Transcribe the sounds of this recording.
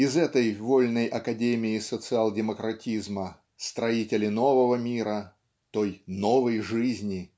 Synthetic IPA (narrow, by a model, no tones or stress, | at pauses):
ɪzɛt̪əjvo̞lʲnəjʔɐkɐdʲemʲɪɪsət̪sɨalˠdʲɪməkɾɐtʲizmə | st̪ɾɐitʲɪlʲɪno̞vəvəmʲiɾə | t̪o̞jno̞vəjʐɨzʲnʲɪ